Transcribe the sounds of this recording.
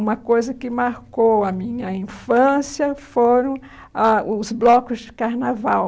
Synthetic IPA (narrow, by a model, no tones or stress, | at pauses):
ũmɐkojzɐkɪmaɾkowɐmĩɲɐĩfɐ̃siɐfoɾɐ̃w̃ | aʊzblɔkʊzd͡ʒɪkaɾnavaw